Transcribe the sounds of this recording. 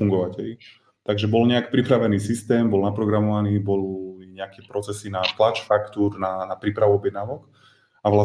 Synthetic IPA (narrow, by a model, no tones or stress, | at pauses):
uŋɡɔʋacɛʎ | t̪aɡʒɛbɔlɲɛaki̥pɾipɾaʋɛniːsist̪ɛːmbɔlnapɾɔɡɾamɔʋaniːbɔliɲɛakɛpɾɔt͡sɛsinat̪lat͡ʃfakt̪uɾnanapɾiːpɾaʋuɔbjɛd̪naːʋɔk | aʋla